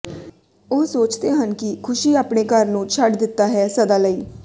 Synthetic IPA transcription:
oːsoːt͡ʃt̪eːɦənkɪkʰʊʃiːaːpneːkəɾnũːt͡ʃʰəʈd̪ɪt̪ːaːɦɛːsəd̪aːləiː

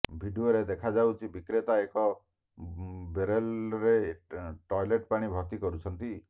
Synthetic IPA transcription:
bʱiɖioɾed̪ekʰad͡ʒawt͡ʃʰibikɾet̪aekɔ | beɾelɾeʈɔjleʈpaɽ̃ibʱɔt̪ikɔɾut͡ʃʰɔnt̪i

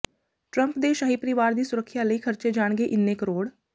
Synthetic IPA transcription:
ʈɾəmpd̪eːʃaːɦiːpəɾɪʋaːɾd̪iːsʊɾəkʰːjaːləiːkʰəɾt͡ʃeːd͡ʒaːɽɡeːʔɪnːeːkəɾoːɽ

